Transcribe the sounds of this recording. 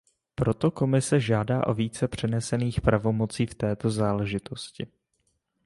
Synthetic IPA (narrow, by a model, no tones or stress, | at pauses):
pɾo̞t̪o̞ko̞mɪsɛʒaːdaːʔo̞viːt͡sɛpr̝̥ɛnɛsɛniːxpɾavo̞mo̞t͡siːft̪ɛːt̪o̞zaːlɛʒɪt̪o̞scɪ